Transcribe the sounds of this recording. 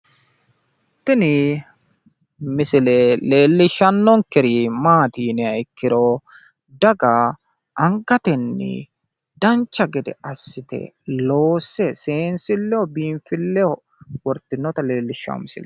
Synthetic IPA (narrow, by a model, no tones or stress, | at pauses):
t̪ɪnɪ | mɪsɪlɛle̞ːlːɪʃːɐnːɔŋkɛɾimaːt̪iːnɪɐkːɪɾɔ | d̪ɐɡɐ | ʔɐŋɡɐt̪ɛnːɪ̰ | d̪ɐnt͡ʃːɐɡɛd̪ɛ̰ɐsːɪt̪ɛ̰ | loːsɛseːnsɪlːɛɔbiːmfɪlːɛɔ | wɔɾt̪ːɪnːɔt̪ɐle̞ːlːɪʃːʊɐ̰mɪsɪ̰lɛ